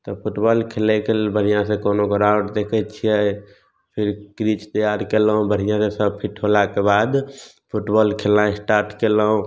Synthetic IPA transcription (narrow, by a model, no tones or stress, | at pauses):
t̪ɔpʰuʈbɔlkʰelɛkebəɽ̤ijãsẽkonokoɾaʊʈd̪ekʰɛt͡ʃʰijɛ | pʰiɾkɾit͡ʃt̪əjaɾkelɦũbəɽ̤ijãsesəb̚pʰiʈʰɦolakebad̪ | pʰuʈbɔlkʰelãẽsʈaɾʈkeləɦũ